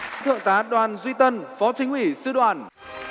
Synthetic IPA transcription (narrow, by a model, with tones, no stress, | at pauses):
t̪ɨ̰˧˨əŋt̪aː˨˦ɗwaː˨˩nzwi˧t̪ə˧nfɔ˨˦t͡ɕi˨˦ŋ̟hwi˧˩sɨ˧ɗwaː˧˩n